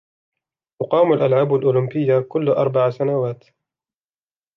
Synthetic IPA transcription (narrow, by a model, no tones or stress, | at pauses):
ʔʊqɑːmalʔalʕaːbalʔʊːlʊmbɪjːakʊlːʔɑ̰ɾˤbaʕsanawaːt̪